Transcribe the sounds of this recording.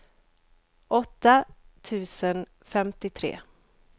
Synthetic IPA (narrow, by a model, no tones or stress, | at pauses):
ʔɔt̪ːat̪ʰʉ̟ːsən | fɛmt̪ɪt̪ʰɾḛː